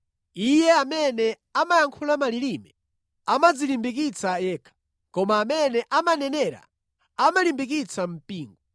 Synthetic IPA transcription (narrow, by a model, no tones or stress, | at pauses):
ijɛamɛnɛ | amajaŋkʰulamalilimɛ | amad͡zilimbikit͡sajɛːkʰḁ | kɔmaːmɛnɛʔamanɛnɛɾa̰ | amalimbik̬it͡sam̩piːŋɡɔ